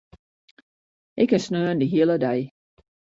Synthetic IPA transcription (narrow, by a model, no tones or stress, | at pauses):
ʔɪkənsnøːndəɦiələdaj